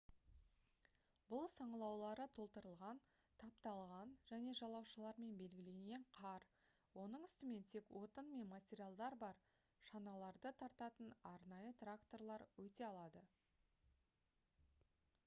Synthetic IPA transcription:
bʊlˠsɑɴəlˠɑwlˠɑɾət̪ʰo̞lˠt̪əɾəlˠʁɑn | t̪ʰɑp̚t̪ɑlˠʁɑnʒæne̞ʒɑlˠɑwʃəlˠɑɾme̞nbe̞lɡʲɪle̞ŋɡʲe̞ɴqʰɑɾ | wo̞nəɴʏst̪ɪme̞nt̪ʰe̞kwo̞t̪ənme̞nmatʲeɾʲijalˠd̪ɑɾbɑɾ | ʃɑnɑlˠɑɾd̪ət̪ʰɑɾt̪ɑt̪ənɑɾnɑjət̪rakt̪o̞rlˠɑɾwɵt̪e̞ɑlˠɑd̪ə

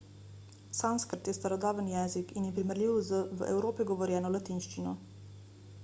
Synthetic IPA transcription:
sanskəɾt̪jɛst̪aɾɔd̪aːʋənjɛnzikinjɛpɾiməɾlʲiːwzəʋəʔɛ̰wɾoːpiɡɔʋɔɾjɛːnɔlat̪inʃt͡ʃinɔ

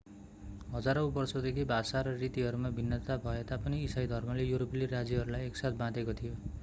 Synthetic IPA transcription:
ɦʌd͡zaɾʌwbʌrsʌd̪ekʰibʱasaɾʌrit̪iɦʌɾumabʱinːʌt̪abʱʌet̪apʌniːsajd̪ʱʌrmʌlejuɾoplirad͡zjiɦʌɾulajeksat̪̚ʰbãd̪ekot̪ʰijo

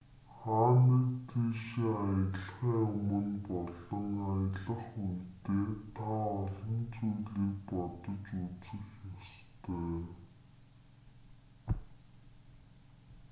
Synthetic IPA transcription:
χaːnə̆kt̪iʃiajə̆ɮχæːɵmɵ̆npɔɮɞ̆ŋajəɮə̆χujt̪eːt̪ʰaɔɮɞ̆nt͡sujɮiːk̚pɔt̪ɞ̆t͡ɕut͡sɘ̆xjɔst̪œː

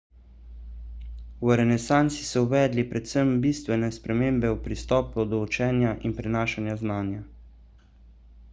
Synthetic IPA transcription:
wɾɛnɛsaːnt̪si̥sɔuʋɛːd̪lipɾɛt̪səmbiːst̪ʋɛnɛspɾɛmeːmbɛupɾist̪ɔːpɔd̪ɔut͡ʃɛːnjaʔinpɾɛnaːʃanjaznaːnja

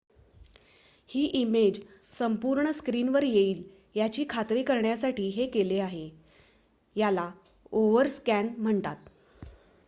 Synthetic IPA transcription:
hiːʔimed͡ʑsəmpuɾɳəskɾiːnʋəɾjeiːl | jat͡ɕiːkʰat̪ɾiːkəɾɳjasaʈiːɦekeleaɦe | jala | oʋəɾskænm̤əɳt̪at̪̚

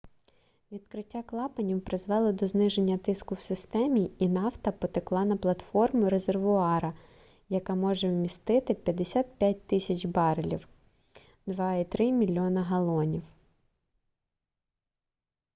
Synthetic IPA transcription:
ʋʲid̪̚kɾɪtʲːaklˠɑpɐnʲiwpɾɪzʋɛlˠɔd̪ɔznɪʒenʲːɐt̪ɪskʊwsɪst̪ɛmʲiinɑwt̪ɐpɔt̪ɪklˠɑnɐplˠɐt̪fɔrmʊɾezerʋʊɑɾɐ | jɐkɑmɔʒɛwmʲist̪ɪt̪ɪpʲjɐd̪esʲat̪̚pʲjat̚ʲt̪ɪsʲɐt͡ʃbɑɾɪlʲḭw | d̪ʋɑit̪ɾɪmʲilʲːɔnɐɦɐlˠɔnʲiw

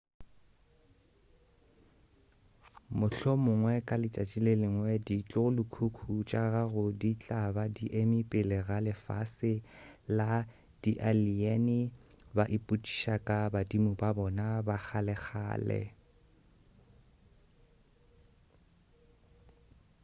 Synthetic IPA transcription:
mʊɬɔmʊŋwɛkʼalɪt͡ʃʼat͡ʃʼilelɪŋwɛdit͡ɬʼʊlʊkʰukʰut͡ʃʼaɣaɣʊdit͡ɬʼabadiʔemipʼɪlɪɣalɪfa̰sɪla | d̥iʔaliɛnɪ | baʔɪpʼut͡ʃʼi̥ʃakʼabadimʊbabɔnabak͡xalɛk͡xa̰ːlɛ̰

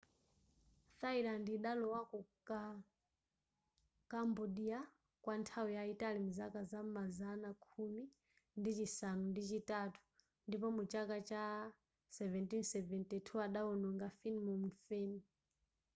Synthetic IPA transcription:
θailandiɗalɔwakɔka | kambɔɗia | kwantʰawijaitalimuzakazamazanakʰumi | ndit͡ʃisanundit͡ʃitatʰu̥ | ndipɔmut͡ʃakat͡ʃa | sɛvɛntinsɛvɛntɛtʰuaɗaɔnɔŋɡafinmɔmufɛːni

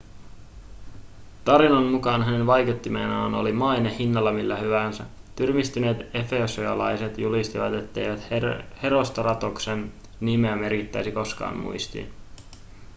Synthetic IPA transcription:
t̪ɑɾinɑnmukɑːnɦæne̞nʋɑjket̪ːimeːnɑːno̞̰limɑjnehinːɑlːɑmilːæhyʋænsæ | t̪yrmist̪yne̞ːt̪e̞feosojɑlɑjse̞t̪julist̪iʋɑt̪e̞t̪ːe̞jʋæt̪he̞ɾo̞st̪ɑrɑt̪oksen | nimeæme̞rkit̪ːæjsiko̞skɑ̰ːmmṵjst̪ḭn

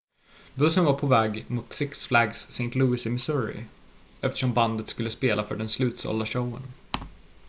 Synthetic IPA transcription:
bɵsːənvaɾpʰɔvɛːɡmʊt̪sɪksflaɡsːɛnt̪ʰluːɪsɪmɪsuːɾɪ̰ | ɛft̪ə̥ʂɔmband̪ət̪skɵlːəspeːlʔafœ̰ɖɛnslʉ̟ːt̪sɔ̰lːaʂowə̰n

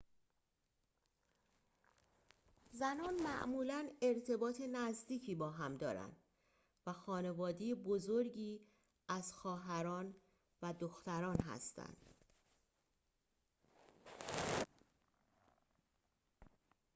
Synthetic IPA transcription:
zænɒːnmæʔmuːlæne̞ɾt̪ʰe̞bɒːt̪ʰe̞næzd̪iːcʰiːbɒːɦæmd̪ɒ̰ːɾæ̰nd̪̥ | væxɒːne̞vɒːd̪ejebozoɾɟiː | æzxɒːɦæɾɒːn | væd̪oxt̪æɾɒːnɦæ̰st̪æ̰nd̪̥

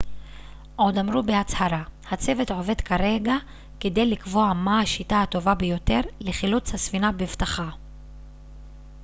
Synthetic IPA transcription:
ʔo̞d̪amɾubeat͡shaɾahat͡se̞ve̞t̪ʕo̞ve̞d̪kaɾe̞ɡa | ked̪e̞jlikvo̞amahaʃitahat̪o̞vabejo̞te̞ʁleχilut͡shasvinabevt̪aχa

